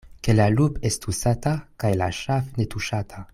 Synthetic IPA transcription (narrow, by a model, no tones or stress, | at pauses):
kelalupest̪usat̪akajlaʃafnet̪uʃat̪ʰa